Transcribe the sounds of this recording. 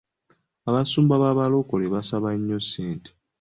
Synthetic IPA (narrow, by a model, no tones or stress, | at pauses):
aβasuːmbaβaβalo̞koleβasaβaɲːoseːnte̥